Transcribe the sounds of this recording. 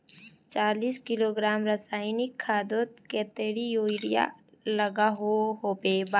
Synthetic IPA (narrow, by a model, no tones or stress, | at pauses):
t͡ʃaːliːskɪloːɡɾaːmɾəsaːɪnɪkʰːaːd̪oːt̪̚ket̪eːɽijoːɪɽija̰ | ləɡaɦoɦoːpeba